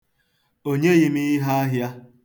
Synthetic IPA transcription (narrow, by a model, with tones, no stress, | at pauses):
o˦ɲe˦ji˦mi˦i˦ɦa˦a˦ɦja˦